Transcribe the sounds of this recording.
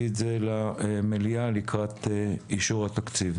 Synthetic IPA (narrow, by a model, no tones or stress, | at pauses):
itzelamelialikʁat̪eiʃuʁat̪akt͡siv